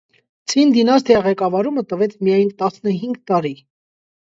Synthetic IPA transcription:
t͡sʰind̪inɑst̪ʰɛɑʁɛkɑvɑɾumət̪əvɛt͡sʰmijɑjnt̪ɑsnəɦiŋɡt̪ɑɾi

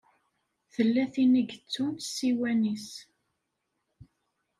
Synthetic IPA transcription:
θəlːæθiniɡt͡sːumsːiwænis

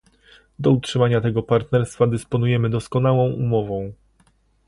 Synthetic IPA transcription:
d̪ɔutʂɘmaɲat̪ɛɡɔpaɾt̪nɛɾst̪fad̪ɘspɔnujɛmɘd̪ɔskɔn̪awɔ̃w̃umɔvɔ̃w̃

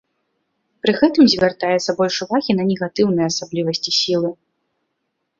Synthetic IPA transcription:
pɾɨɣɛt̪ɨmzʲvʲart̪ajɛt̪sːɐbɔlʲʂuvaɣʲinɐnʲɛɣat̪ɨwnɨjɛɐsablʲivɐsʲt͡sʲisʲilˠɨ

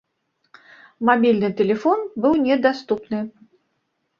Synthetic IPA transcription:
mabʲilʲnɨt̪ɛlʲɛfɔnbɨwnʲɛd̪ast̪upnɨ

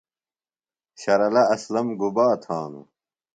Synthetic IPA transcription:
ɕɐɾɐlɐɐslɐmɡubaːt̪ʰaːnṵ

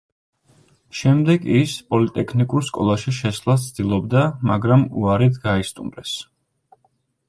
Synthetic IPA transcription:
ʃɛmd̪ɛɡispʼɔlit̪ʼɛkʰnikʼuɾskʼɔ̰lˠaʃiʃɛsvlˠast̪sʰd̪̥ilˠɔb̚d̪amaɡɾamṵaɾit̪ʰɡaist̪ʼumɾɛs

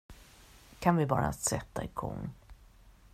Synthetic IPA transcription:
kʰanvɪbɑːɾa̰sɛt̪ːaɪkʰɔ̰ŋ

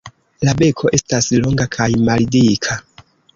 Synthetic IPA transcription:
labe̞kʰo̞ʔe̞staslo̞ŋɡakʰajmalidikʰa

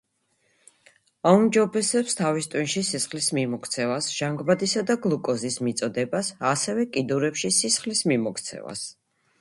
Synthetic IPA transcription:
aumd͡ʒɔbɛsɛpst̪ʰavist̪ʼwinʃisisχlismimɔkʰt̪sʰɛvasʒ̥aŋɡbad̪isad̪aɡlˠukʼɔzismit̪sʼɔd̪ɛbasasɛvɛkʼid̪uɾɛpʃisisχlismimɔkʰt̪sʰɛ̰va̰s

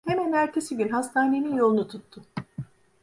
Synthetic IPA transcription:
hemænæɾt̪ʰesiɟynɦast̪ʰaːneminjo̞lˠunut̪ʰut̪ʰːʊ

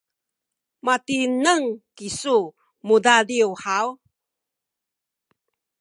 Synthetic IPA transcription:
matinəŋkisu | mudadiwħaw

